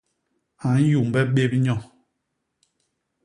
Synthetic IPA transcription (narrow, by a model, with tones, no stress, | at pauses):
a˨˦n˦ju˨m˨bɛ˦ɓe˦bɲɔ˦˨